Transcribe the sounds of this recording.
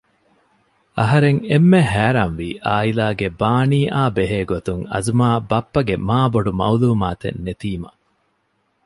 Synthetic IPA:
ɐɦɐɾeŋemːehæːɾɐnʋiːʔaːilaːɡebaːniːʔaːbeɦeːɡot̪uŋɐ̰zumaːbɐpːɐɡemaːboɖumɐ̰uluːmaːt̪ḛnːet̪iːmɐ̰

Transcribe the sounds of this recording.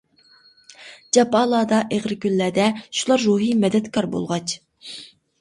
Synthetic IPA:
d͡ʒɑpɑːlˠɑːd̪ɑʔeʁɾɪkʲylːæːd̪ɛʃulˠɑɾːuɦijmɛd̪ɛt̪kʰɑɾbo̰lˠʁɑt͡ʃ

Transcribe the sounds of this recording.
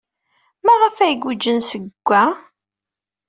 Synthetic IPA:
mæʁəfæjɡʷud͡ʒənsəɡʷːæ

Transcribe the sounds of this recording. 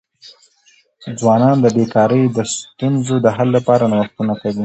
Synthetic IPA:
d͡zwɑnɑnd̪əbekɑɾəjd̪əst̪unzod̪əɦalːapɑɾanawaxt̪unakawi

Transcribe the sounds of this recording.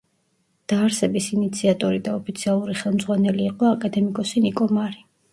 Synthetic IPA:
d̪̥aːɾsɛbisinit̪sʰiat̪ʼɔɾid̪aɔpʰit̪sʰialˠuɾiχɛlˠmd̪zʁwanɛliːqʼɔakʼad̪ɛmikʼɔsinikʼɔmaɾi

